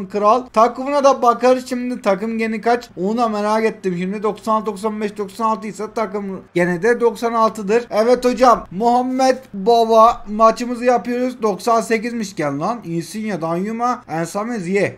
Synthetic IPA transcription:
nkɯɾalˠt̪ʰakɯmunad̪abakaɾɯzʃimd̪it̪ʰakɯmɟe̞nikat͡ʃonud̪ameɾaːkɛt̪ːimʃiɾmd̪id̪o̞ksanalˠt̪d̪o̞ksanbɛʃd̪o̞ksanalˠt̪ɯjsat̪akɯmɟenɛd̪ɛd̪o̞ksanalˠt̪ʰɯd̪ɯɾɛvɛt̪o̞d͡ʒamːuɦamːɛd̪bavamat͡ʃɯmɯzɯjapɯjo̞ɾuzd̪o̞ksaːse̞cizmiʃɟɛnlˠaninsinjad̪anjumaænsamɛzjɛ

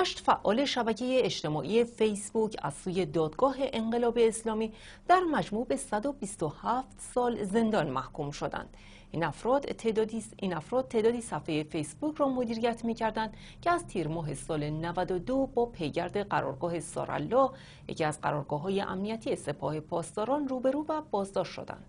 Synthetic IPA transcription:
hæʃt̪fæʔːɒːle̞ʃæbæcʰe̞jeːt͡ʃt̪e̞mɒːʔije̞fejsbucʰæ̰z̥suːje̞d̪ɒːd̪̥ɡɒːɦe̞ʔeɴɢe̞lɒːbe̞ːslɒːmiː | d̪̥æɾmæd͡ʒmuːbe̞sæd̪o̞bist̪ohæft̪sɒːlze̞nd̪ɒnmæhkʰumʃo̞d̪æ̰nd̪̥ | næfɾːd̪ | iːnæfɾɒːd̪̚t̪ʰːe̞ːd̪ɒːd̪iːsæfːejefe̞jsbucʰɾɒːmod̪iːɾijæt̪ʰmiːcʰæɾd̪ænd̪ | cʰeæzt̪ʰiːɾmɒːɦe̞sɒːle̞nævæd̪od̪obɒːpʰe̞jɟæɾd̪e̞ɢæɾɒ̰ːɾɡɒːhe̞sɒ̰ɾæ̰lːɒː | jḛcʰiæzɢæ̰ɾɒːɾɡɒːɦɒːje̞ʔæ̰mnijæt̪ʰije̞se̞pʰɒ̰ːhe̞pʰɒːst̪ɒːɾɒːnruːbe̞ɾuːvæbɒːzd̪ɒːʃtʃo̞̰d̪æ̰nd̪̥

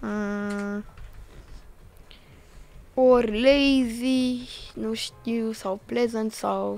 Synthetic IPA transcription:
ã | oɾlejzinuʃt̪iwsawplɛzə̃nsaw

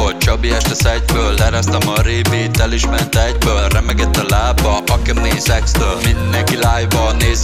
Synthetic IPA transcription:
ot͡ʃɒbiɛʃt̪ɛsɛɟbøːlːɛɾɛst̪ɛmɒɾeːpiːt̪ɛliʃmɛnt̪ɛɟbøːlrɛmɛɡɛt̪ːɛlaːbːɒʔɒkɛmeːnsɛkst̪øːlmind̪ɛŋkilaːjbɒneːz

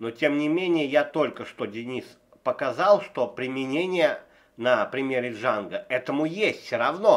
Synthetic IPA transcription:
notʲemnʲɪmʲenʲɪjəjat̪o̞lʲkəʂt̪o̞dʲɪnʲis | pəkɐzɑlˠʂt̪o̞pɾʲɪmʲɪnʲenʲɪjə | nəpɾʲɪmʲeɾɪʐanɡəɛt̪əmʊjesʲtʲsʲoɾɐvno

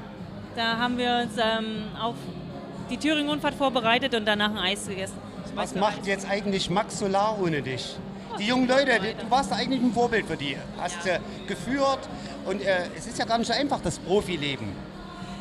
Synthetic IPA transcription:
d̥aːɦaːbm̩viːɐʊnsʔɛːmaʊf | d̥iːtʰyːʁ̞ɪŋʊnfaːɐtfoːɐbəʁaɪtətʊntd̥anaːχn̩ʔaɪsɡ̥əɡɛsn̩ | vasmaχjɛt͡stʔaɪɡŋ̩tlɪçmaksolaːʔoːnədɪç | d̥iːjʊŋənlɔʏtəd̥uːvaːɐstaʔaɪɡŋ̩tlɪçn̩foːɐbɪltfyːɐdiː | hastː | ɡ̥əfyːɐt | ʔʊntʔɛːʔɛsɪstjaːɡaːɐnɪçtz̥oʔaɪnfaχd̥aspʁ̥oːfileːbm̩

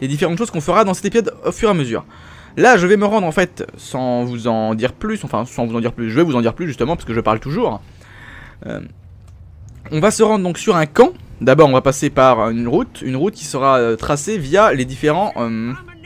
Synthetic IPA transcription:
led̪ifeʁɑ̃t̪ʃoz̥kɔ̃fəʁad̪ɑ̃sɛ̥t̪epizɔd̪ofyʁaməzy̰ːʁ | laʒəvɛməʁɑ̃d̪ʁɑ̃fɛt̪sɑ̃vuzɑ̃d̪iʁplysɑ̃fɛ̰̃sɑ̃vuzɑ̃d̪iʁplysʒəvɛvuzɑ̃d̪iʁplysʒyst̪əmɑ̃pḁskəʒəpaʁlt̪uʒuːʁ | ø̰ | ɔ̃vasəʁɑ̃d̪ʁəd̪ɔ̃ksyʁɛ̃kɑ̃d̪abɔʁɔ̃vapasepaʁynʁut̪ynʁut̪̚kʲi̥səʁaøt̪χasevijaled̪ifeʁɑ̃ʔøm

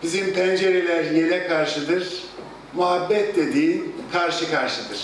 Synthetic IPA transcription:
b̥izimpʰænd͡ʒeɾelʲæɾjelʲɛkʰaɾʃɯd̪ɯɾ̥ | muɦabːɛt̪̚d̪ed̪iːnkʰaɾʃɯkʰaɾʃɯd̪ɯɾ̥

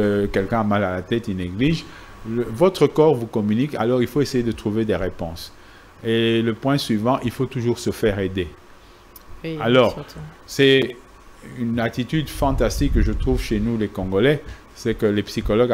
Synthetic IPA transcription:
kɛlkɛ̃amalalat̪ɛt̪ineɡliʒ | vɔt̪χəkɔʁvukɔmynika̰lɔʁilfoesejed̪ət̪χuved̪eʁepɔ̰̃s | eləpwɛ̃sɥivɑ̃ʔilfot̪uʒuʁsəfɛʁed̪e | alɔʁ | sɛ | ynat̪it̪yd̪fɑ̃t̪ast̪ikːəʒət̪χuvʃenulekɔ̃ɡɔlɛ | sɛkəlepsikɔlɔɡ

